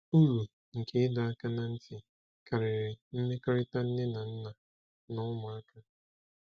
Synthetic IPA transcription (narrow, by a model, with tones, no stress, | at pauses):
u˦lu˨ | ŋ̩˨ke˦ɪ˦da˨a˦ka˦na˨n̩˦tɪ˨ | ka˨ɾɪ˨ɾɪ˨m̩˦me˦kɔ˦ɾɪ˦ta˦n̩˦nɪ˦na˨n̩˦na˨ | nʊ˦ma˨a˦ka˦